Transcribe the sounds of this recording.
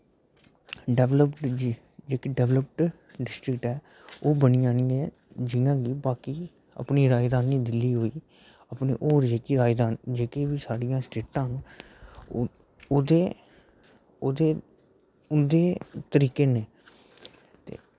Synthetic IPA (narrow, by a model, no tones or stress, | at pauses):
ɖɛʋləpʈː | d͡ʒeːkiːɖɛʋləp̚ʈ | ɖɪsʈɾɪkʈɦɛː | oːbəniːd͡ʒaːniːɛː | d͡ʒɪjãːɡɪːbaːkiː | ə̰pniːɾaːjd̪aːnːiːd̪ɪlːiːɦoːiː | əpnḛːʔoːɾd͡ʒeːkiɾaːd̪aːnd͡ʒeːkeːʋiːsaːɽɪjãːsʈeːʈãːn | oːd̪eː | oːd̪eː | ʊnd̪eːt̪əɾiːkeːneː | t̪ḛː